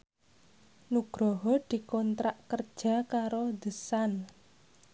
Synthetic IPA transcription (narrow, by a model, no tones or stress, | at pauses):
nuɡ̥ɾɔɦɔd̪̥i̤kɔnt̪ɾaʔkərd̥ʒ̥a̤kaɾod̪̥ə̤san